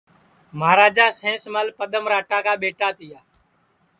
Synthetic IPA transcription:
maːɾaːd͡ʒaːsẽːsmaːlpəɗ̪əmɾaːʈaːkaːɓeːʈaːt̪ɪjaː

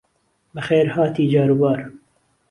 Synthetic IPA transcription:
bɨxeːɾhɑːt̪iːd͡ʒɑːɾubɑːɾ

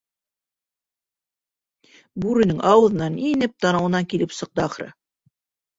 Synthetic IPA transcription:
buɾɘ̆nɘŋʔɑwɤ̆ðɤ̆nɑninɘp̚t̪ɑnɤ̆wɤ̆nɑŋkilɘpsɤ̆q̚t̪ɤɑχɾɤ̰

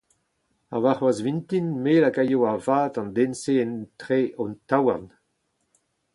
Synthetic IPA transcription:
a̰vaχwazvintinmeːlakajoavaːtɑ̃nd̪ẽnseɛntʁeʔɔ̃ntawaʁn

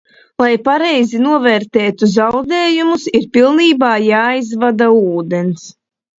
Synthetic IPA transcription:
lˠajpaɾɛjzinuɔvɛːɾt̪ɛːt̪uzawd̪eːjumusiɾpilˠniːbaːjaːizvad̪auːd̪ens

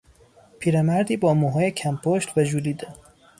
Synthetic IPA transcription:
pʰiːɾemæɾd̪iːbɒːmuɦɒːjecʰæmpʰoʃt̪væd͡ʒuːliːd̪e

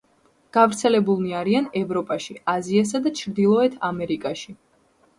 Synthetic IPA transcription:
ɡ̥avɾt̪sʰɛlɛbulˠniaɾianɛvɾɔpʼaʃiazias̬ad̪at͡ʃʰɾd̪ilˠɔɛt̪ʰamɛɾikʼaʃi

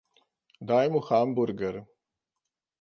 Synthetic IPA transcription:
d̪aːjmuxaːmbuɾɡəɾ

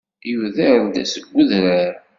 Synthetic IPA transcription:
juðæɾd̪æ̰səɡʷːəðɾaɾ

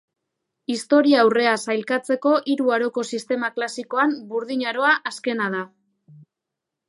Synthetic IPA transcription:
ist̪o̞ɾiaːwre̞asajlkat͡se̞ko̞ʔiɾuaɾo̞ko̞sist̪e̞maklasiko̞ambuɾðiɲaɾo̞aʔaske̞nað̞a

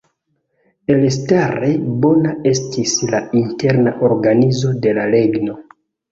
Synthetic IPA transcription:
e̞lestaɾebo̞nae̞stʰislainte̞ɾnaʔo̞ɾɡanizo̞de̞lale̞ɡno̞

